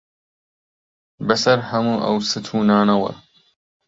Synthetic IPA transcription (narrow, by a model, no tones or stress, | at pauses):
bɐsɐɾhɐmuːʔɐ̰wsɨt̪ʰuːnaːnɐwɐ̰